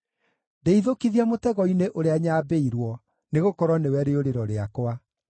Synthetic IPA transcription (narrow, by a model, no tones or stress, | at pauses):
deiðokiðiamotɛɣɔineʔoɾeaɲaːbeiɾwɔ | neɣokɔɾwɔnewɛɾeoɾeɾɔɾeakwa